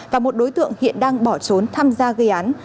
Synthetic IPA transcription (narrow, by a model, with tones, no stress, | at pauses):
vaː˨˩mo˨˩t̚ɗo˨˦jt̪ɨ̰˧˨əŋhḭ˧˨ənɗaː˧ŋɓɔ˧˩t͡ɕo˨˦nt̪ʰaː˧mzaː˧ɣə˧jʔaː˨˦n